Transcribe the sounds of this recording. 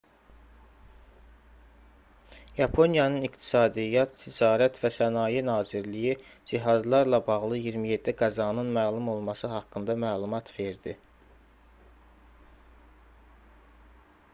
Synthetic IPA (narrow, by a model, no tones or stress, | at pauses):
jɑpʰo̞njɑnɯnikt̪ʰi̥sɑːd̪ijɑt̪ːʰid͡ʒɑːɾæt̪ʰvæsænɑːjenɑːziɾlijid͡ʒiɦɑzlˠɑɾlɑbɑɣlˠɯjiɾmije̞d̪ːiɡɑzɑnɯnmæːlˠumo̞lˠmɑsɯɦɑkːɯnd̪ɑmæːlˠumɑt̪ʰve̞ɾd̪i